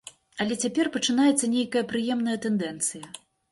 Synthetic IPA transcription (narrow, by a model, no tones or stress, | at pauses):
ɐlʲɛt͡sʲapʲɛrpɐt͡ʂɨnajɛt̪sːɐnʲejkɐjɐpɾɨjɛmnɐjɐt̪ɛnd̪ɛnt̪sɨjɐ